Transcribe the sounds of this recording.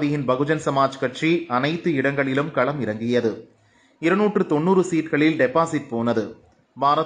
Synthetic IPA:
ðɪjɪnbɐɣɯd͡ʒɐnsɐmaːd͡ʒkɐʈriɐnɐɪt̪ːɯɪɽɐŋɡɐɭɪlɯmkɐɭɐmɪɾɐŋɡɪjɐðɯ | ɪɾɐnuːʈrɯt̪ɔnːuːɾɯsiːʈɣɐɭɪlɖɛpaːsɪʈ̚poːnɐðɯ | baːɾɐ

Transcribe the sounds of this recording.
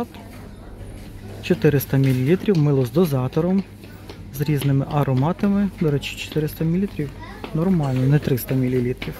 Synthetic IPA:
t̪ | t͡ʃɔt̪ɪɾɪst̪ɐmʲilʲilʲit̪ɾʲiwmɪlˠɔzd̪ɔzɑt̪ɔɾɔm | zɾʲiznɪmɪʔɐɾɔmɑt̪ɐmɪd̪ɔɾɛt͡ʃɪ̥t͡ʃɔ̥t̪ɪɾɪst̪ɐmʲilʲit̪ɾʲiw | nɔrmɑlʲnɔnɛt̪ɾɪst̪ɐmʲilʲilʲit̪ɾʲiw

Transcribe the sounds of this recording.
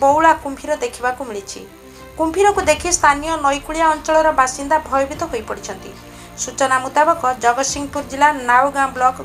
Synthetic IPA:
bowɭakumpʰiɾɔd̪ekʰibakumiɭit͡ʃʰḭ | kumpʰiɾɔkud̪ekʰist̪ʰanijɔnɔjkuɭijaɔnt͡ʃɔɭɔɾɔbasind̪abʱɔjɔbit̪ɔɦojpɔɽit͡ʃʰɔnt̪ḭ | sut͡ʃɔnamut̪abɔkɔd͡ʒɔɡɔsiŋɔpuɾd͡ʒilanawɡamblɔk

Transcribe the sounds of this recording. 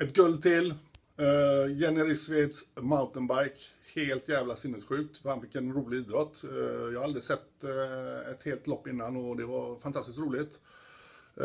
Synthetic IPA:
ɛt̪̚ɡɵld̪t̪ʰɪl | jɛnɪɾɪsvɪd̪smaʊnt̪ənbaɾkheːlt̪jæːvlasɪnːəsɧʉ̟ːk̚t̪fɔhanfɪkːɛnɾuːlɪiːd̪ɾɔt̪ːjɑaald̪ɾɪsɛt̪ː | ɛt̪heːlt̪lɔpːɪnːanɔd̪ɛvɑɾfant̪ʰast̪ɪskt̪ɾuːlɪt̪

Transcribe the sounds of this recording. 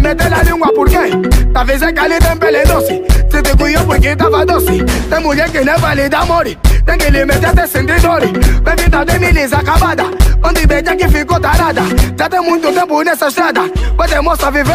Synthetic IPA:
mɛtɛlaliapʊɾketavezɛkalitem̩bɛledɔsititikujɔkʷekin̩tavadɔsitemud͡ʒekenevalidamɔɾitendilimɛtɛtɛsin̩didɔɾibebidatenilizakabadaɔdibɛd͡ʒakifikɔtaːɾadad͡ʒatemun̩dotebunesɛʃiadak͡pɛtɛmɔsavive

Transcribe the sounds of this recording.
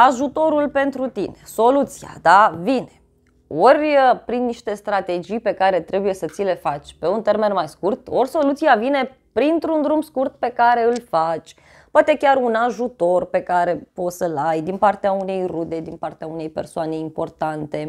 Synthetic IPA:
aʒut̪o̞ɾulpe̞nt̪ɾut̪ineso̞lut̪sia̰d̪avine̞̥ | o̞rʲəpɾinːiʃt̪e̞st̪ɾat̪e̞d͡ʒijpe̞kaɾe̞t̪ɾe̞buje̞sət̪sile̞fat͡ʃʲpe̞unt̪e̞rme̞nmajskurt̪orʲso̞lut̪sijavine̞ | pɾint̪ɾund̪ɾumskurt̪̚pe̞kaɾe̞ɨlfat͡ʃʲ | poat̪e̞kʲarunaʒut̪o̞rpe̞kaɾe̞po̞t̪səlajd̪inpart̪eaune̞jrud̪e̞d̪inpart̪eaune̞jpe̞̰rsoane̞impo̞rt̪ant̪e̞

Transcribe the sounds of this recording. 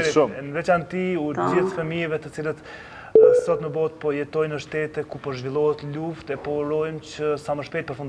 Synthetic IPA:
ɾinəvɛt͡ɕant̪iud͡ʑiθfəmijɛvɛt̪ət͡silət̪ | sɔt̪nəbɔt̪̚pɔjɛt̪ɔjnəʃt̪ɛt̪ɛkupɔʒvilˠɔhɛt̪luft̪ɛpɔɾɔjmt͡ɕəsaməʃpɛjt̪̚pəɾfund̪

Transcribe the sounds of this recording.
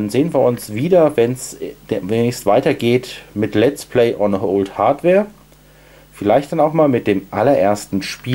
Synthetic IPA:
nzeːənviːɐʊnsv̥iːdɐvɛnsmveːnɪçstv̥aɪtɐɡeːtmɪtlɛt͡spl̥eɪʔɔnəoʊlthaɐtv̥ɛːɐ | fɪlaɪçtd̥anaʊxmaːlmɪt̚d̥eːmʔalɐʔeːɐstn̩ʃpiː

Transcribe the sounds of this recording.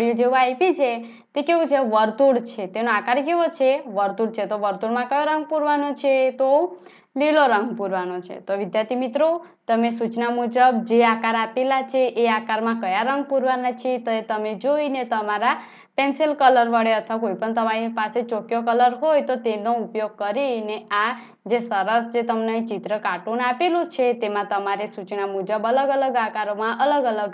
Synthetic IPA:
ɽijod͡ʒeũajpit͡ʃʰe | t̪ekeʋũt͡ʃʰeʋəɾt̪uɽt͡ʃʰet̪enoakaɾkeʋot͡ʃʰeʋəɾt̪uɽt͡ʃʰet̪oʋəɾt̪uɽmãkəjoɾəŋɡ̚puɾʋanot͡ʃʰet̪o | liloɾəŋɡpuɾʋanot͡ʃʰḛt̪oʋid̪jaɾt̪imit̪ɾo | t̪əmesut͡ʃnamud͡ʒəb̚d͡ʒeakaɾapelat͡ʃʰeʔeakaɾmãkəjaɾəŋɡ̚puɾʋanat͡ʃʰet̪əet̪əmed͡ʒoinet̪əmaɾa | penselkələɾʋəɽeət̪ʰʋakoipəɳt̪əmaɾipaset͡ʃokjokələɾɦojt̪ot̪enoupjoɡ̚kəɾinea | d͡ʒesəɾəsd͡ʒet̪əmnəjt͡ʃit̪ɾəkaʈunapelot͡ʃʰet̪emãt̪əmaɾesut͡ʃnamud͡ʒəbələɡələɡakaɾomãʔələɡələɡ

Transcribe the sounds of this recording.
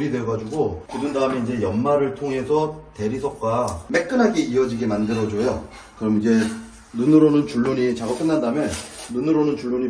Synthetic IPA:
ɾidweɡad͡ʑuɡokudɯndaɯme̞ind͡ʑe̞jʌnmaɾɯɭtʰoŋɦe̞sʰʌte̞ɾisʰʌk͈amek͈ɯnɦaɡe̞iʌd͡ʑiɡemandɯɾʌd͡ʑojo | kɯɾʌmid͡ʑe̞ | nunɯɾonɯnt͡ɕuɭːoɲit͡ɕaɡok͈ɯnːandamjʌnːunɯɾonɯnt͡ɕuɭːoɲi

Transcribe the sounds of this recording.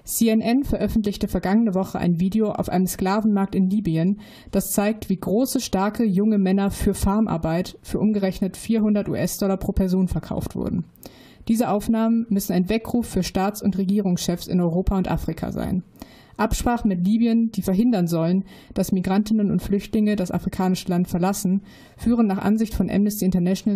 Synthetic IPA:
siɛnʔɛnfɛɐʔœfn̩tlɪçtəfɛɐɡaŋənəvɔχəʔa̰ɪnviːdeoʔa̰ʊfʔa̰ɪnəmskl̥aːvn̩maɐk̚tɪnliːbiən | d̥ast͡saɪk̚tv̥iːɡʁoːsəʃtaɐkʰəjʊŋəmɛnɐfyːɐfaɐmʔa̰ɐbaɪtfyːɐʔʊmɡəʁɛçnətfiːɐɦʊndɐtṵːʔɛsd̥ɔlɐpʁ̥oːpʰɛɐzoːnfɛɐkʰa̰ʊftv̥ʊ̰ɐdn̩ | d̥iːzəʔaʊfnaːmənmʏsn̩aɪnvɛkʁ̥uːfːyːɐʃtaːt͡sʊntʁeɡiːʁ̞ʊŋsʃɛfsɪ̰nɔʏʁoːpʰaʊntʔa̰ːfʁ̥ikʰa̰za̰ɪn | ʔapʃpʁ̥aːχn̩mɪtliːbiənd̥iːfɛɐɦɪndɐnzɔlənd̥asmiɡʁantɪnənʊntflʏçtlɪŋədasa̰fʁ̥ikʰaːnɪʃəlantfɛɐlasn̩ | fyːʁ̞ənːaːχʔa̰nzɪçtfɔnʔɛ̰mnɪstiːɪntɐnɛʃona

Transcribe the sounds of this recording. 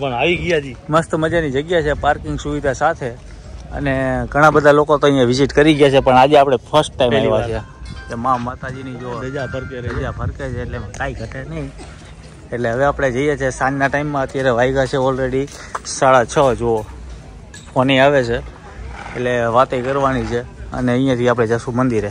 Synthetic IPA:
əaʋiɡjaiməst̪məd͡ʒanid͡ʒəɡjat͡ʃʰepaɾkɪ̃ŋɡsuʋid̪ʱasat̪ʰe | ə̰neɡʱəɽ̃abəd̪ʱalokot̪oəĩjãʋɪziʈkəɾiɡjat͡ʃʰepəɳad͡ʒeapɽ̃epʰəɾsʈːaimmaiʋat͡ʃʰe | emãmat̪ad͡ʒinid͡ʒood͡ʒaəɾd͡ʒapʰəɾket͡ʃʰeːʈlemakaiɡʱəʈ̪enəɦĩ | eʈleɦəʋeapɽ̃ed͡ʒəijet͡ʃʰesãnnaʈaimːãət̪jaɾeʋaiɡat͡ʃʰeɔlɾeɽi | saɭat͡ʃʰəd͡ʒoo | fʰoniaʋet͡ʃʰe | eʈleʋat̪ekəɾʋanit͡ʃʰeə̰neə̃ĩjãt̪ʰiap̬ɽ̃ed͡ʒasũmənd̪iɾe

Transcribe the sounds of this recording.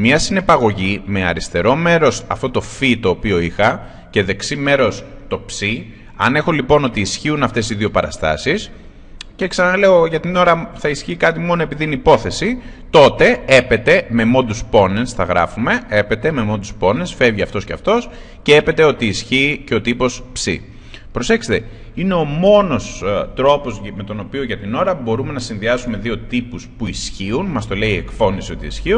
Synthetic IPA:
miɐsine̞pɐɣo̞ʝime̞ɐ̰ɾist̪e̞ɾo̞me̞ɾo̞sɐ̰ft̪o̞t̪o̞fit̪o̞ːpio̞ixɐ | ce̞ðe̞ksime̞ɾo̞s | t̪o̞psi | ɐ̰ne̞xo̞lipo̞no̞t̪iːsçiunɐft̪e̞siðio̞pɐɾɐ̰st̪ɐ̰sis | ceksɐnɐle̞oʝɐt̪ino̞ɾɐθɐisçiːkɐt̪imo̞no̞e̞piðinipo̞θe̞si | t̪o̞t̪e̞epe̞t̪e̞me̞mo̞nd̪uspo̞nesθɐɣɾɐ̰fume̞e̞pe̞t̪e̞me̞mo̞nd̪uspo̞nesfe̞vʝiɐ̰ft̪o̞sceɐ̰ft̪o̞s | cee̞pet̪e̞o̞t̪iːsçiːceo̞t̪ipo̞spsḭ | pɾo̞se̞kset̪e | ine̞o̞mo̞no̞st̪ɾo̞po̞zme̞t̪o̞no̞pio̞ʝɐt̪ino̞ɾɐbo̞ɾume̞nɐsinðiɐsume̞ðio̞t̪ipuspuisçiunmɐst̪o̞le̞ie̞kfo̞nisio̞t̪ḭisçiun

